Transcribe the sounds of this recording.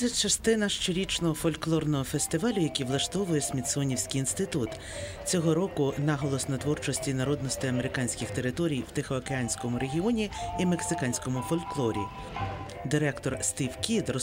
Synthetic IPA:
ɐt͡ʃɐst̪ɪnɐʃt͡ʃeɾʲit͡ʃnɔɦɔfɔlʲklˠɔrnɔɦɔfesʲt̪ɪʋɑlʲʊjɐkʲiʋlˠɐʃt̪ɔʋʊjɛsʲmʲid̪sɔnʲiwsʲkʲijinst̪ɪt̪ut̪ | t͡sʲɔɦɔɾɔkʊnɑɦɔlˠɔsnɐt̪ʋɔrt͡ʃɔsʲtʲinɐɾɔd̪nɔsʲt̪ɪɐmeɾɪkɑnʲsʲkʲɪxt̪e̞ɾɪt̪ɔɾʲijwt̪ɪxɔɐkeɑnʲsʲkɔmʊɾe̞ɦʲiɔnʲiimeksɪkɑnʲsʲkɔmʊfɔlʲklˠɔɾʲḭ | d̪ɪɾɛkt̪ɔrst̪iwkʲid̪rɔ

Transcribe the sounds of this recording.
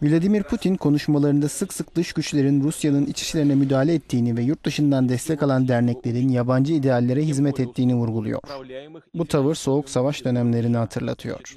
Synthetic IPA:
vilʲad̪imiɾpʰut̪ʰinkʰo̞nuʃmalˠaɾɯnd̪asɯksɯk̚d̪ɯʃɟyt͡ʃlʲe̞ɾinɾusjanɯnit͡ʃʰi̥ʃlʲe̞ɾinɛmyd̪aːlʲɛːt̪ʰːiːnivɛjuɾt̪̚d̪ɯʃɯnd̪and̪ɛst̪ʰɛcalˠand̪æɾnɛclʲe̞ɾinjaband͡ʒɯid̪ejalʲːeɾɛɦizmɛt̪ɛt̪ʰːiːnivuɾɡulˠṵjo̞̰ɾ̥but̪ʰavɯɾso̞uksavaʃd̪ø̞næmlʲe̞ɾinihat̪ʰɯɾlˠa̰t̪ʰɯjo̰ɾ̥

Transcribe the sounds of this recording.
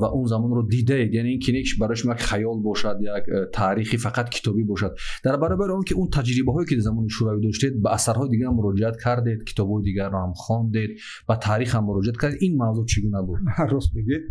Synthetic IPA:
vaʔunzamɔnɾɔd̪id̪aed̪janeinkʰinekiʃbaɾɔjiʃumɔjakχajɔlbɔʃad̪jakt̪ʰaːɾiχifaqʰat̪kʰi̥t̪ʰɔbibɔʃad̪d̪aɾbaɾɔbaɾiɔŋkiunt̪ʰad͡ʒɾibaɦɔekid̪azamɔniʃuɾavid̪ɔʃt̪ed̪̚baːsaɾhɔid̪iɡaɾmuɾɔd͡ʒiat̪kʰaɾd̪e̞d̪kʰi̥t̪ʰɔbhɔid̪iɡaɾːɔhamχɔnd̪e̞d̪̚ | bat̪ʰaːɾiχhamːuɾɔd͡ʒiat̪̚kʰaɾd̪ed̪inmavzut͡ʃʰiɡunabud̪aɾɔsbeɡ̪ed̪

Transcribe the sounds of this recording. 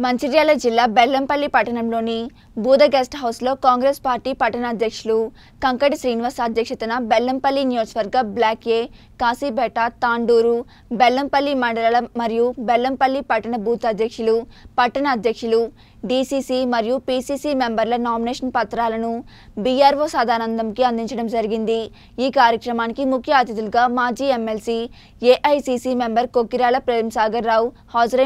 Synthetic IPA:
mɐɲt͡ʃiɾjaːlɐd͡ʒilːaːbɛlːɐmpɐlːipɐʈːɐɳɐmlo̞ːni | bʱuːd̪ɐɡeːsʈɦɐwslo̞ːkaːŋɡɾeːspaːɾʈiːpɐʈːɐnɐːd̪jɐkʂulu | kɐŋkɐʈisɾiːniʋaːsaːd̪jɐkʂɐt̪unɐbɛlːɐmpɐlːinijoːd͡ʒɐʋɐɾɡɐblaːkeː | kaːsiːbɛːʈɐt̪aːɳɖuːɾu | bɛlːɐmpɐlːimɐɳɖɐlɐlɐmɐɾijubɛlːɐmpɐlːipɐʈːɐɳɐbuːt̪ɐd̪jɐkʂulupɐʈːɐɳɐːd̪ʱjɐkʂɐlu | ɖiːsiːsimɐɾijupiːsiːsiːmembɐɾlɐnaːɾmineːʂɐnpɐt̪ɾaːlɐnu | biːjaːɾʋoːsaːd̪ʱaːnɐnd̪ʱɐmkiɐnd̪iɲt͡ʃɐɽɐmd͡ʒɐɾiɡind̪i | iːkaːɾjɐkɾɐmaːnikimukʰjɐaːt̪jɐd̪ulɡaːmaːd͡ʒiːemelsi | eːʔɐjsiːsimembɐɾkokːiɾaːlɐpɾeːɾɐmɐsaːɡɐɾːaːw | hɐːd͡ʒɐɾɐ

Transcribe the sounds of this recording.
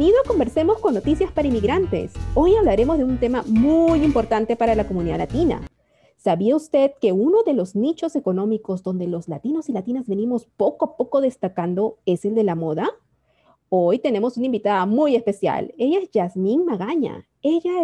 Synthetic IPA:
iðoko̞mbe̞ɾse̞mo̞sko̞nːo̞t̪isjaspaɾaimiɣɾant̪e̞̰so̞jaβlaɾe̞mo̞zðeunt̪e̞mamujimpo̞ɾt̪ant̪e̞paɾalako̞muniðalat̪ina̰ | saβiaust̪e̞ðke̞uno̞ðe̞lo̞znit͡ʃo̞se̞ko̞no̞miko̞zd̪o̞nd̪e̞lo̞zlat̪ino̞silat̪inazβe̞nimo̞spo̞koapo̞ko̞ðe̞st̪akand̪o̞e̞se̞ld̪e̞lamo̞ða | o̞jt̪e̞ne̞mo̞sunaĩmbit̪aðamuje̞spe̞sja̰le̞ʝaezʝazmiŋmaɣaɲa̰ | eʝa

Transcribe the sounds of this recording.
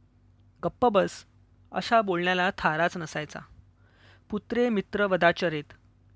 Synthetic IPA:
ɡəpːəbəs | ə̰ɕabolɳjalat̪ʰaɾat͡snəsajt͡sa̰ | put̪ɾemit̪ɾəʋəd̪at͡ɕəɾet̪

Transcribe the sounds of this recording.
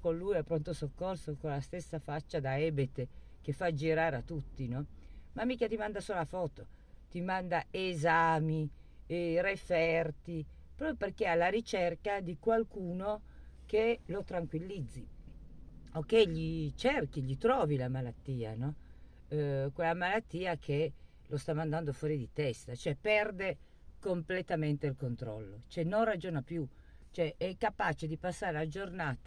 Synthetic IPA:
konluːjɛpːɾont̪osokːorsokolast̪esːafat͡ʃːad̪aɛːbet̪ | k̟efad͡ʒiɾaːɾeat̪ːut̪ːinɔmamːiːkat̪imand̪asolafɔːt̪o | t̪imand̪aezaːmi | refɛrt̪i | pɾɔːpjoperkealːaɾit͡ʃerkad̪ikwalkuːno | kelot̪ɾaŋkwilːid̪zːi | okːeʎːit͡ʃerkiʎit̪ɾɔːvilamalat̪ːiːa̰nɔ | kwelːamalat̪ːiːakʰe | lʔost̪amand̪and̪ofwɔːɾid̪it̪ɛst̪at͡ʃoɛpɛrd̪e | komplet̪ament̪eilkont̪ɾɔ̰lːot͡ʃoɛnːonrad͡ʒoːnapju | t͡ʃoɛʔɛkːapaːt͡ʃed̪ipasːaːɾelad͡ʒornaːt̪a

